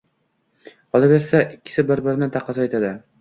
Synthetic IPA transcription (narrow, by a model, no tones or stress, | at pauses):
ɒlɪbeɾsaʔɪkʲːɪ̥sɪbɪɾbɪɾnɪt̪ʰɑqːɑzɑet̪ad̪ɪ